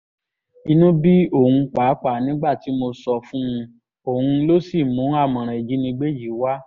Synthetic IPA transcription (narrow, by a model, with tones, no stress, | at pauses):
i˧nũ˦bi˦o˦˨hũ˧k͡paː˨˦k͡pa˨nĩ˨˦ɡ͡ba˦˨ti˨˦mo˧sɔ˧fũ˦ũ˧ | o˨hũũ˧lo˦si˦˨mũ˨˦a˦˨mɔ̃˨ɾ̃ã˨i˨d͡ʒi˨˦nĩ˧ɡ͡be˦ji˨˦wa˦